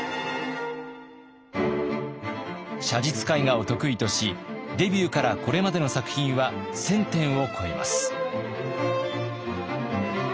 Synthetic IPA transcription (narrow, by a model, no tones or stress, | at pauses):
ɕad͡ʑit͡sɨ̥kaiŋaot̪o̞kɯ̟it̪o̞ɕid̪e̞bʲjɨːkaɾako̞ɾe̞mad̪e̞no̞sakɯ̟̥çĩɰ̃βasẽ̞nt̪ẽ̞ɰ̃o̞kʰo̞ema̰sɨ̥